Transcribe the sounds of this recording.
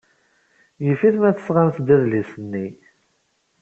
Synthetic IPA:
jəfiθmæθə̥sʁamθd̪æðlisənːi

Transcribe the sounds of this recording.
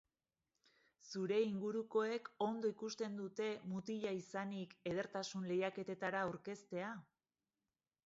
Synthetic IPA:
suɾe̞iŋɡuɾuko̞e̞ko̞nd̪o̞ikust̪e̞nd̪ut̪e̞mut̪iʎaisanike̞ðe̞ɾt̪asunle̞jake̞t̪e̞t̪aɾauɾke̞st̪e̞a

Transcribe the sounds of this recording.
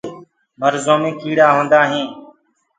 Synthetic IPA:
məɾzoːmẽːkiːɽaːɦõːnd̪aːɦẽː

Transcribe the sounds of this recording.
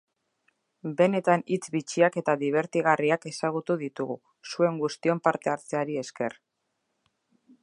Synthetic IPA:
be̞ne̞t̪anit͡sβit͡ʃiake̞t̪aðiβ̞e̞ɾt̪iɣ̞ariake̞saɣ̞ut̪uðit̪uɣu | sue̞ŋɡust̪io̞mpaɾt̪e̞aɾt͡seaɾie̞ske̞r

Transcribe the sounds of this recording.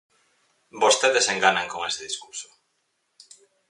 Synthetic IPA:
bost̪eðeseŋɡanaŋkoŋeseðiskuɾso̥

